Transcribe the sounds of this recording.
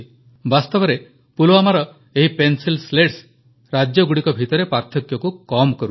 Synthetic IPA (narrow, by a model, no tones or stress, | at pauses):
bast̪ɔbɔɾe | puloamaɾɔ | eɦipensilsleʈs | ɾad͡ʒjɔɡuɽikɔbʱit̪ɔɾepaɾt̪ʰɔkjɔkukɔmkɔɾu